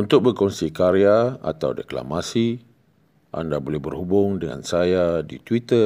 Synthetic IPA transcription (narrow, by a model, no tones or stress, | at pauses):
unt̪ʊk̚bərkɔnsikaɾiaa̰t̪awdekla̰masi | ʔa̰ndabolɛhbərhubʊŋdəŋa̰nsajadit̪wit̪ə